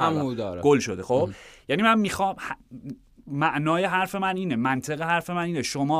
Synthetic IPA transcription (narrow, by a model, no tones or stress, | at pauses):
amud̪ɒːɾɡ̥olʃod̪exob̥jænimænmixɒːmh | mæʔnɒːje̞ɦæɾfe̞mæniːnemænt̪ʰeɣeɦæɾfe̞mæniːneʃomɒː